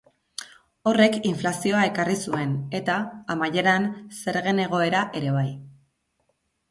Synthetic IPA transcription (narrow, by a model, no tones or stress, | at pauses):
o̞re̞kiɱflasio̞ae̞karisue̞ne̞t̪aːmaje̞ɾanse̞ɾɣe̞ne̞ɣ̞o̞e̞ɾaʔe̞ɾe̞β̞aj